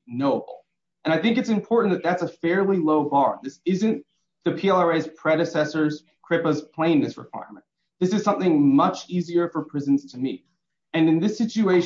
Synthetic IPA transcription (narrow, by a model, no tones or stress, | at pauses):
noʊbl̩ˠ | ɨ̃ɾ̃aɪθɪ̃ŋkɨtsɨ̃mpʰɔɹʔn̩ðɨt̪̚ðætsəfɛɹlˠiloʊbɑɹðɪsɪzɨ̃n | ðɨpʰiɛlˠɑɹeɪz̥pʰɹ̥ɛɾɨsɛsə˞z̥ | kʰɹ̥ɪpəz̥pʰl̥ẽɪ̃nːɨsɹɨ̰kʰw̥a̰ɪə̰˞mɨ̃n | ðɪsɨz̥sʌ̃mθɪ̃ŋmʌt͡ʃiziə˞fə˞pʰɹ̥ɪzɨ̃n̩z̥tʰɨmḭ | ɨ̃nɨ̃nðɪsɪt͡ʃʉueɪ